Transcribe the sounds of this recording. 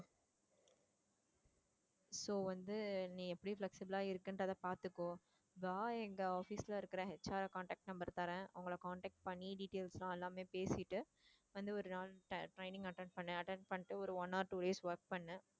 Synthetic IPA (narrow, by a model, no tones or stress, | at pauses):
soːʋɐnd̪ɯnĩːɛpːɐɽiflɛksɪbɐlaːɪɾɯkːɐndɐðɐpaːɾt̪ɯkːõː | ʋaːɛŋɡɐaːfiːslɐɪɾɯkːɪɾɐ̃ɦɛt͡ʃaːɾɐkaːɳʈeːk̚ʈ̚nɐmbɐɾt̪aːɾẽːʔɐʊŋɡɐɭɐkaːɳʈeːk̚ʈ̚pɐɳːiɖiːʈeːlslãːɛlːaːmeːpeːsɪʈːɯ | ʋɐnd̪ɯɔɾɯnaːlʈɐʈɾɐɪnɪ̃ŋɡɐʈːɛ̃ɳɖpɐɳːɯ̃ɐʈɛɳɖpɐɳːɪʈːɯɔɾɯɔnːaːɾʈuːɖeːsʋɐɾk̚pɐɳːɯ̃